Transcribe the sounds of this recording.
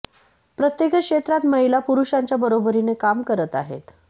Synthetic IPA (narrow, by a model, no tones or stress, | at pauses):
pɾət̪jekəkʂet̪ɾat̪məɦilapuɾuɕaɲt͡ɕjabəɾobəɾinekamkəɾət̪a̰ɦḛt̪